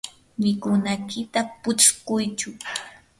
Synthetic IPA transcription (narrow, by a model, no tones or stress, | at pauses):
mɪkʊnakɪt̪apʊt͡ʃkʊjt͡ʃʊ